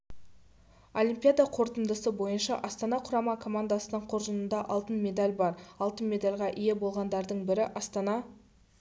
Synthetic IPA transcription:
olʲimʲpʲijad̪ɑqʰo̞ɾt̪ənd̪əsəbo̞jənʃɑʔɑst̪ɑnɑqʰʊɾɑmɑkʰo̞mand̪asənəɴqʰoɾʒənənd̪ɑʔɑlˠt̪ənmʲe̞d̪alʲbɑɾɑlˠt̪ənmʲe̞d̪alʲʁɑʔije̞bo̞lˠʁɑnd̪ɑɾd̪əɴbɪɾɪʔɑst̪ɑnɑ

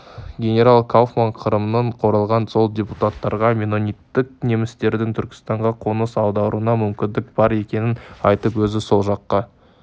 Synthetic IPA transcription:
ɡʲe̞nʲe̞ɾalˠkʰolˠfmaɴqʰəɾəmənəɴqʰo̞ɾəlˠʁɑnso̞lˠdʲepu̥t̪at̪ːɑɾʁɑmʲeno̞nʲit̪ːɪk̚ne̞mɪst̪e̞ɾd̪ɪŋt̪ʰʏɾkʲɪ̥st̪ɑɴʁɑqʰo̞nəsɑw̪ˠd̪ɑwɾuənɑmʏmkʲɪnd̪ɪk̚b̥ɑɾe̞kʲe̞nɪnɑjt̪əpwɵzɪso̞lˠʒɑqːɑ

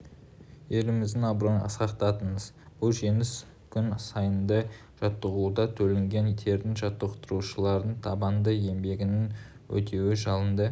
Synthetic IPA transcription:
je̞ɾɪmɪzd̪ɪŋɑbɾənɑ̰sqɑqt̪ɑt̪ənəz | b̥ʊlˠʒe̞nɪs | kʲʰʏnsɑjənd̪ə | ʒ̥ɑt̪ːəʁud̪ɑt̪ʰɵlɪŋɡʲe̞nt̪ʰe̞ɾd̪ɪŋʒɑt̪ːəqt̪əɾuʃəlˠɑɾd̪ənt̪ʰɑbɑnd̪əe̞mbe̞ɡʲɪnɪn | wɵ̰t̪ʰe̞wɪʒɑlˠənd̪ə

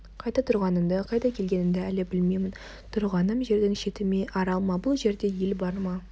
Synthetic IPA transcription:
qʰɑjt̪ɑt̪ʰʊɾʁɑnəmd̪əqʰɑjt̪ɑkʲʰe̞lɡʲenɪnd̪ɪælɪbɪlmejmɪn | t̪ʰʊɾʁɑnəmʒe̞ɾd̪ɪŋʃe̞t̪ɪmeʔɑɾɑlˠmɑbʊlˠʒe̞ɾd̪e̞jelbɑɾmɑ

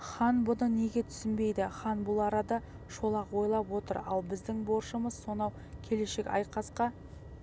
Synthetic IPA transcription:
χɑnbʊnəne̞ɡʲe̞t̪ʰʏ̥sɪnbe̞jd̪ɪχɑnbʊlˠɑɾɑd̪ɑ | ʃo̞lˠɑqwo̞jlˠɑpwo̞t̪əɾɑlˠbɪzd̪ɪŋbo̞ɾʃəməzso̞nɑw | kʲʰe̞le̞ʃe̞kʲɑ̰jqɑsqɑ

